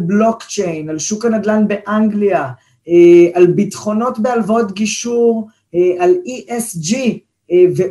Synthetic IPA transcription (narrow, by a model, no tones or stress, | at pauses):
blo̞kt͡ʃejnalʃukanad̪lanbe̞ʔaŋɡlia | ealbitχo̞no̞tbealvao̞tɡiʃuʁ | aliʔesd͡ʒi | ve